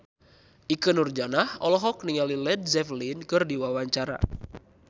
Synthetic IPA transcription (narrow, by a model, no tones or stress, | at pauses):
ʔikɨnurd͡ʒanahɔlɔɦɔk̚niŋalilɛd̚zɛflinkɨrdiwawaɲt͡ʃaɾa̰